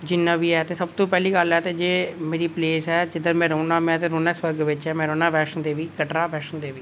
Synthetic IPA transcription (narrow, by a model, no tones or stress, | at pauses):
d͡ʒɪnːãːʋiːɛːt̪eːsəb̚t̪õːpɛːliːkəlɛːt̪eːd͡ʒeːmeːɾiːpleːsɛːd͡ʒɪd̪əɾmɛ̃ːɾəːnaːmɛ̃ːt̪eːɾoːnãːsʋəɾɡʋɪt͡ʃɛːmɛ̃ːɾoːnãːʋɛːʃənd̪eːʋiːkəʈɾaːbɛːʃənd̪eːʋiː